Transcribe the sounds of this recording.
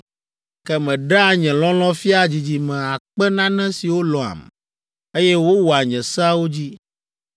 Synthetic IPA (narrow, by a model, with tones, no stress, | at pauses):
kɛ˦mɛ̃˨ɖa˦˨ɲɛ̃˨lɔ̃˦lɔ̃˦fi˦a˨d͡ʑi˨d͡ʑi˨mɛ̃˨a˨k͡pɛ˦nã˦nɛ̃˦si˨wo˦lɔ̃˨a̰˨m˨ | e˦jɛ˦wo˦wɔ˨a˨ɲɛ̃˨sa˦wo˦d͡ʑi˦